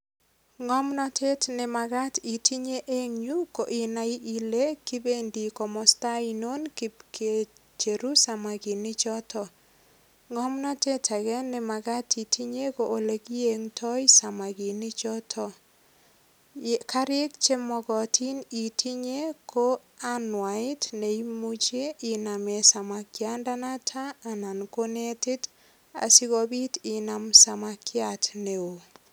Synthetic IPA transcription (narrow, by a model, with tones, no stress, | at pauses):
ŋɔ˦mnɔ˦tʰe˦tnɪ˨ma˨ɡa˦ti˨tʰi˦ɲe˦ʔe˦ŋɲu˦ko˨ʔɪ˨na˨i˦ʔi˨le˦kɪ˦be˦ndi˨kɔ˨mɔ˨sta˦i˨no˦nki˦pke˨ | t͡ʃe˨ɾu˦sa˨ma˨ɡi˨nɪ˦t͡ʃɔ˦tɔ˨ | ŋɔ˦mnɔ˦te˦tʰa˨ɡɛ˦nːɪ˨ma˨ɡa˦ti˨tʰi˦ɲe˦ko˨ʔo˨le˨ɡi˦je˨ŋtʰɔ˦i˦sa˨ma˨ɡi˨nɪ˦t͡ʃɔ˦tʰɔ˦ | ka˦ɾje˦kt͡ʃe˦mɔ˨ɡɔ˨tʰi˦ni˨tʰi˦ɲe˦ko˦ | a˦nwa˨ɪ˦tne˨i˦mu˦t͡ʃe˦i˨na˨me˨sa˨ma˨kja˦nda˦na˦tʰaː˦˨na˨nko˦ne˦tɪ˦t | a̰˨si˦ɡɔ˦bi˦tɪ˨na˨msa˨makja˨tne˨o˨